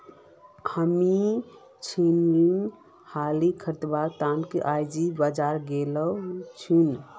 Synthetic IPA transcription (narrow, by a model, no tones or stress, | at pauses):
həmi | t͡ʃʰinliŋ | halikʰəɾt̪bat̪ankeʔajd͡ʒibəd͡ʒaɾɡelət͡ʃʰun